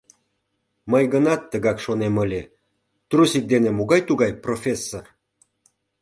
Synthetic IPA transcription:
məjɣənɑt̪ːəɣɑkʃoneməlʲe | t̪rusik̚d̪enemoɣɑjt̪uɣɑjprofʲesːor

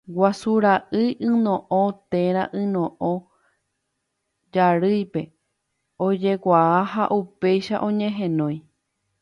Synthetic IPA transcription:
wasuɾaʔɨjʔɨ̃nõ̞ʔõt̪ẽ̞ɾaʔɨ̃nõ̞ʔõ | d͡ʒaɾɨjpe̞ | od͡ʒe̞kʷaaha̰ʔupe̞jʃa̰ʔõ̞ɲẽ̞ɦẽnõ̞j̃

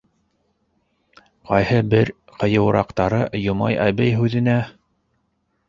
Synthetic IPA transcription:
qɑjhɤbɘɾ | qʰɤ̆jɤ̆w̆ɾɑ̰qt̪ɑɾɤjŏmɑ̰jæβɘjɦʉðɘ̆næ

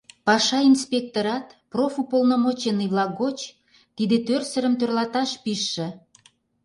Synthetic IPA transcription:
pɑʃɑinspʲek̚t̪oɾɑt̪profupolnomot͡ɕeniβlɑk̚ɡot͡ɕ | t̪id̪et̪ørsə̆ɾə̆mt̪ørlɑt̪ɑʃpiʃːĕ

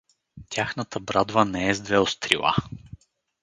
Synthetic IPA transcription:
t̪ʲaxnət̪əbɾad̪vənɛɛzd̪vɛost̪ɾilˠa̰

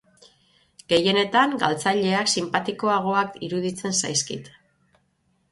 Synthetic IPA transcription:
ɡ̥e̞je̞ne̞t̪aŋɡa̰lt͡saʎe̞aksimpat̪iko̞aɣ̞o̞akiɾuðit͡se̞nsajskḭt̪

